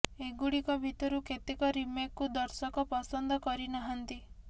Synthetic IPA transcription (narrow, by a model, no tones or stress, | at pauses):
eɡuɽikɔbʱit̪ɔɾuket̪ikɔɾimjakːud̪ɔɾsɔkɔpɔsɔnd̪ɔkɔɾinɔɦɔnt̪i